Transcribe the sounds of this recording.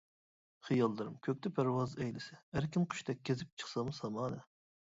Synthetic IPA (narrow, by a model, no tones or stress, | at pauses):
χijɑlˠd̪ɨɾɨmkʲʰøk̚ʲt̪ʰɛpʰæɾwɑzɛjlɪsɛæɾkʲʰinqʰy̥ʃt̪ʰɛk̚ʲkʲʰːezɪp̚t͡ʃʰə̥χsɑmsɑmɑːnɨ